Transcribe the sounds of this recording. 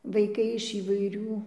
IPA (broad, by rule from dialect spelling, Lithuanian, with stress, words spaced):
ʋɐɪˈkɐɪ ɪʃ iːʋɐɪˈrʲuː